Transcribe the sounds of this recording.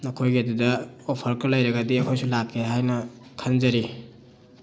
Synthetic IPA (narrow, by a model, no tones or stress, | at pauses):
nokʰojɡiɐdudɐopʰɐɾkɐlɐjɾɐɡɐdiɐkʰojsulakʰːeɦajnɐ | kʰanzɐɾi